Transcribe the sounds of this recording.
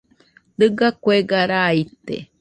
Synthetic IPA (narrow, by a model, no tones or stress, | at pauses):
d̪ɨɡakweɡaɾaːit̪ḛ